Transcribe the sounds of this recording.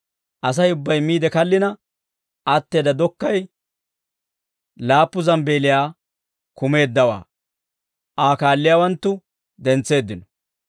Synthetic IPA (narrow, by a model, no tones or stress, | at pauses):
ʔɐs̬ɐjʊbːɐjmiːd̪ɛkɐlːɪnɐ | ʔɐt̪ːe̞ːd̪ɐd̪ɔkːɐj | laːpːʊzɐmbe̞ːlɪjaː | kʊme̞ːd̪ːɐwa̰ː | ʔaːkaːlːɪjaːwɐnt̪ːʊ | d̪ɛnt͡sːe̞ːd̪ːɪnɔ